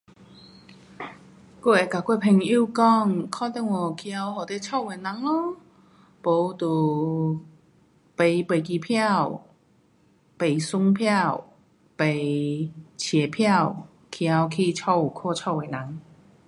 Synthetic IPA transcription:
ku˥˧˩e˨˧˩ka˨˩kwe˥˧pʰe˧˩ŋi˥˧˨kɔ˥˧ŋkʰɔ˥˧t̪ɛ˥˧˨ŋɔ˨˩kʰi˧a˧whɔ˨˩t̪e˧t͡ɕʰɔ˥˧we˨˩nã˨˦ŋɔ˧˦ | po˨˦t̪u˨˩ | pe˨˩jpe˨˩k̬i˧˨˩pʰja˥˨w | pe˨˩jsʊ˦ŋpʰja˥˧˨w | pe˨˩j | t͡ɕʰjɛ˨˩pʰja˥˧˨w | kʰi˧a˧wkʰi˥˧t͡ɕʰɔ˥˧wkʰɔ˥˧t͡ɕʰɔ˥˧we˨nã˨˦ŋ

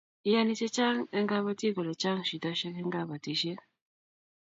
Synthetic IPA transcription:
i˦ja˨˦ni˦t͡ʃe˦t͡ʃa˦ŋɛ˦ŋɡa˦βa˦ti˦ɡo˨lɔ˨t͡ʃa˦ŋ˨ʃi˨dɔ˦ʃɛ˦kɛ˦ŋɡa˦ba˨ti˦ʃe˦

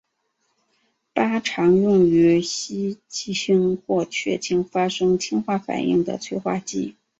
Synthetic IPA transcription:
pa˥ʈ͡ʂʰɑ˧˥ŋɻʊ˥˩ŋy˧˥ɕi˥t͡ɕi˥˩ɕi˥ŋxwɔ˥˩t͡ɕʰɥɛ˥˩t͡ɕʰi˧˥ŋfa˥ʂɤ˥ŋt͡ɕʰi˥ŋxwa˥˩fa̰˨˩nḭ˥˩ŋd̪ə̰˩t͡sʰwe˥˧ɪxwa˥˧t͡ɕi˥˩

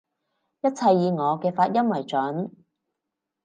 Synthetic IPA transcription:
jɐ˥t̚t͡sʰɐ˧jːiː˨˧ŋɔː˨˧kɛː˧faː˧t̚jɐ˥mwɐ˨˩jt͡ʃɵ˨˥n

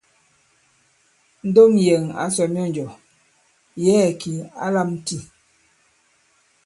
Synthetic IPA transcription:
n̩˦do˦ŋje˨ŋa̰˨˦sɔ˨m˦ɔ˦˨n˨d͡ʒɔ˨ | jɛː˦˨ki˨a̰˦la˦˨m˦ti˦

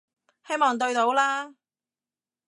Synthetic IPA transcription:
he˥jmɔː˨ŋt̪̬ɵ˧ɥt̪o˨˥wlaː˥

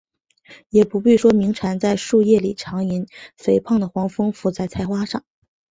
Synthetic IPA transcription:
jɛ˨˩pu˧˥pi˥˩ʂwɔ˥mi˧˥ŋʈ͡ʂʰa˧˥nt͡sa˥˧ɪʂu˥˧jɛ˥˩li˨˩ʈ͡ʂʰɑ˧˥ŋi˧˥nfe˨˩ɪpʰɑ˥˩ŋd̪ə˩xwɑ˧˥ŋfɤ˥ŋfu˧˥t͡sa˥˩ɪt͡sʰa˧˥ɪxwa˥ʂɑ˥˩ŋ

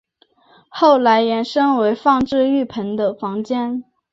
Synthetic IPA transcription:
xo˥˩ʊla˧˥ɪjɛ˧˥nʂɤ˥ŋwe˧˥ɪfɑ˥˧ŋʈ͡ʂɻ̩˥˧y˥˩pʰə˧˥nd̪ə˧fɑ˧˥ŋt͡ɕjɛ˥n

